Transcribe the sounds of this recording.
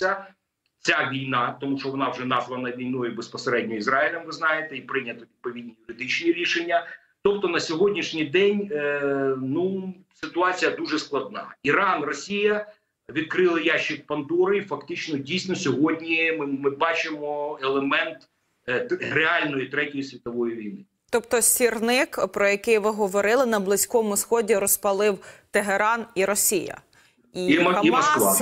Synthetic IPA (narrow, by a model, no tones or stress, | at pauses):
t͡sʲɐ | t͡sʲaʋʲijnɑt̪ɔmuʃt͡ʃɔʋɔnɑwʐɛnɑzʋɐnɐʋʲijnɔjʊbespɔseɾɛdʲnʲɔizɾɑɪlʲɛmʋɪznɑjet̪ɛipɾɪnʲɐt̪ɔʋʲid̪̚pɔʋʲid̪̚ʲnʲijʊɾɪd̪ɪt͡ʃnʲiɾʲiʃenʲːɐ | t̪ɔp̚t̪ɔnɐsʲɔɦɔdʲnʲiʃnʲijd̪ɛnʲ | nu | sɪt̪ʊɑt͡sʲijɐd̪uʒɛsklˠɐd̪nɑ̰iɾɑnrɔsʲijɐ | ʋʲid̪̚kɾɪlˠɪjaʃːɪk̚pɐnd̪ɔɾɐifɐkt̪ɪt͡ʃnɔdʲijsʲnɔsʲɔɦɔdʲnʲimɪmɪbɑt͡ʃɪmɔelˠemɛnt̪ | ɾeɑlʲnɔjit̪ɾɛtʲɔjisʲʋʲit̪ɔʋɔjiʋʲijnɪ | t̪ɔpt̪ɔsʲirnɪkpɾɔjɐkɪjʋɪɦɔʋɔɾɪlˠɪnɐblˠɪsʲkɔmʊsxɔdʲiɾɔspɐlˠɪwt̪eɦeɾɑniɾɔsʲijɐ̰ | iiɔskʋɑ